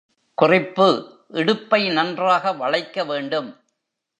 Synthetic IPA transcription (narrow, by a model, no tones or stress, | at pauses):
kʊrɪpːɯ | ʔɪɽɯpːɐɪnɐndraːɣɐʋɐɭɐɪkːɐʋeːɳɖɯm